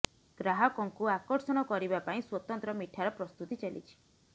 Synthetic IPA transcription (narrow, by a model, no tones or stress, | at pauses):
ɡ̥ɾaɦɔkɔŋkuakɔɾsɔɽ̃ɔkɔɾibapaĩswɔt̪ɔnt̪ɾɔmiʈʰaɾɔpɾɔst̪ut̪it͡ʃalḭt͡ʃʰi̥